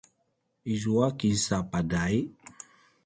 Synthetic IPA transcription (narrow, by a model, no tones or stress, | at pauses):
izuakinsapadai